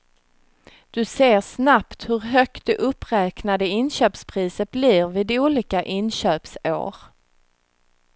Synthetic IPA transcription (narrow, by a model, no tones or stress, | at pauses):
d̪̥ɵseːɾsnapt̪hɵɾɦœk̚t̪̚d̪ɛʔɵpːɾɛːknad̪əɪnɕøːpspʰɾiːsət̪̚bliːɾvɪd̪uːliːkaʔɪnɕøːpso̰ːɾ